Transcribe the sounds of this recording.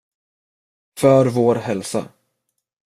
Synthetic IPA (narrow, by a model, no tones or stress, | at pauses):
fœɾvoːɾɦɛlsa̰